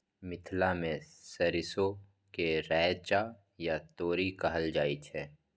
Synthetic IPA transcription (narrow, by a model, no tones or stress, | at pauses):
mɪt̪ʰlamẽ | sɐɾɪso | keɾɛːt͡ʃaː | jat̪oːɾikɐɦəld͡ʒaːit͡ʃʰɛː